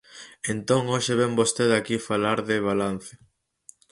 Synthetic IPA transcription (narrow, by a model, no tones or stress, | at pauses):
ent̪oŋoʃeβɛmbost̪eðakifalaɾðɪβ̞alan̟θe